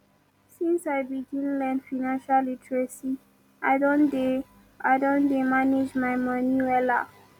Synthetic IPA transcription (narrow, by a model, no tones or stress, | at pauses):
sĩnsaɪbiɡĩnlɛ̃ndfaɪnãnʃalitɹesi | aɪdɔ̃nde | aɪdɔ̃ndemaned͡ʒmaɪmʌniwɛla